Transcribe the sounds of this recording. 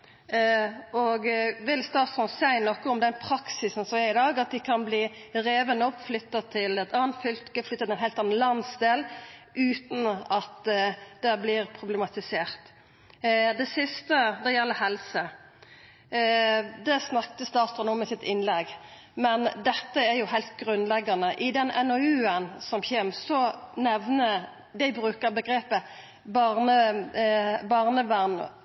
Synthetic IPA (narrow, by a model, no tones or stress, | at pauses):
ɔɡʋɪlst̪ɑːt̪sɔnsæɪnɔkːəʊmd̪ɛnpʰɾɑksɪsn̩sɔmɛɪd̪ɑːɡɑt̪̚d̪ɪkʰɑnbliːɾeːʋənəɔpːflʏt̪ːɑt̪ʰɪlɛt̪ʰɑːnt̪fʏlt̪ɡəflʏt̪ːəɛnɦæɪt̪ɑnːn̩lɑnsd̪eːlʔʉːt̪nɑt̪d̪̥ɛblɪɾpʰɾʊblɛmɑt̪ɪseːɾt̪ | d̪ɛsɪst̪əd̪ɛjɛlːəhɛlsə | d̪ɛsnɑkt̪əsd̪ɑst̪ʁʊnuːməsɪt̪ɪnlɛɡ | mɛnd̪ɛt̪ːəæɾjʊhæɪlt̪̚ɡʁʉnlɛɡːɑnəʔɪd̪ɛnʔɛnoʉːənsɔmçɛmsɔnɛʋnə | d̪æɪbɾʉːkəɾbəɡɾeːpə | bɑʁnə | bɑʁnəʋæʁn